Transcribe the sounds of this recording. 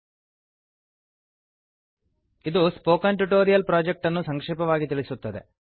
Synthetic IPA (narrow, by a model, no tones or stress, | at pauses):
id̪uspoːkɐɳʈuʈoːɾijɐlpɾaːd͡ʒek̚ʈɐnːusɐŋkʂɛːpɐʋaːɡit̪iɭisut̪ːɐd̪e̞̰